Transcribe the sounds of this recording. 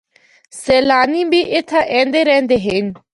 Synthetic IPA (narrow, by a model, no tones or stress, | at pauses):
sɛːlaːniːbiːʔɪt̪ʰːaʔɛ̃ːnd̪eːɾɛ̃ːnd̪eːɦɪn